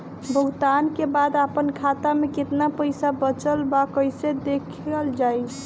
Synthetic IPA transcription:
bʱəɡt̪ankebad̪apənkʰat̪ameket̪napəjsabət͡ʃəlbakəjsed̪ekʰəld͡ʒaj

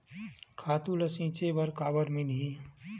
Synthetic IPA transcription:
kʰaːt̪ulɐsĩt͡ʃebɐɾkaːbəɾmini

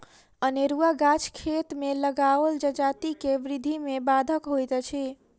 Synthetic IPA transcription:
əneɾuaɡat͡ʃʰkʰet̪meləɡaəld͡ʒəd͡ʒat̪ikeʋɾid̪ʱimebad̪ʱəkɦojt̪t͡ʃʰi

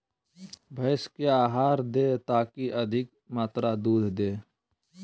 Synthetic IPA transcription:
bʱəɪskeaːɦaːɾd̪eːt̪aːkiʔəd̪ʱɪk̚ | maːt̪ɾad̪uːd̪ʱd̪eː

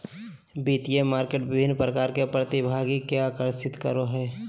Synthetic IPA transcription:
biːt̪ijemaːɾkeːʈʋɪbʱɪnːpɾəkaːɾkepɾət̪ibʱaːɡikeaːkəɾsɪt̪kəɾoɦɛː

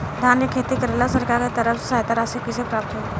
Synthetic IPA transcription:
d̪ʱaːnjəkʰeːt̪ikəɾeːlasəɾkaːɾket̪əɾəfssaːɦt̪aɾasikisepɾaːp̚t̪ɦo

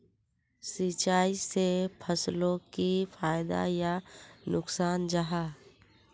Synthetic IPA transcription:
sit͡ʃaːisepʰəslõkifʰaːjd̪a̰janʊksaːnd͡ʒaɦaː

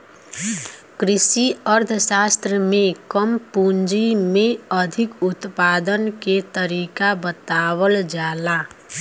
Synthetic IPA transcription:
kɾɪʃiəɾd̪ʱsaːst̪ɾəmẽkəmpuɲd͡ʒimẽəd̪ʱɪkʊt̪paːd̪ənket̪əɾiːkabət̪aːwəld͡ʒaːla

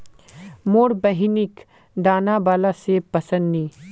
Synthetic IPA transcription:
moːɽbəɦinɪk | d̪aːnabaːlasepɐsə̃nd̪ni

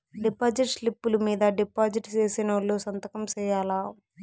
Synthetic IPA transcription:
ɖipaːd͡ʒiʈslipːulumiːd̪ɐɖipaːd͡ʒiʈt͡ʃeːsinɐlːoːsɐnt̪ɐkɐmt͡ʃɛːjaːlaː

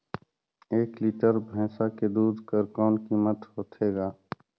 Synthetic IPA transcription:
eːkliːʈəɾbʱɛ̃ːsaked̪uːd̪ʱkəɾkɔːnkiːmət̪ɦoːt̪ʰeːɡaː

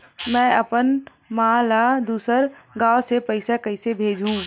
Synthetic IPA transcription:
mɛ̃ːɐpən | mãːlaːd̪uːsəɾɡaːosepɐɪsakɐɪsebʱeːd͡ʒʱũ

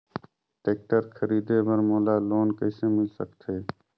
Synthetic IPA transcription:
ʈeːk̚ʈəɾkʰəɾiːd̪eːbəɾmoːlaːloːnkəiseːmɪlsəkt̪ʰeː

